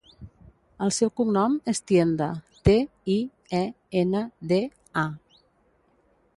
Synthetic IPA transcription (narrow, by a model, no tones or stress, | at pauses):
əlˠsɛwkumnɔmest̪jend̪ət̪e | i | ɛ | enəðe | a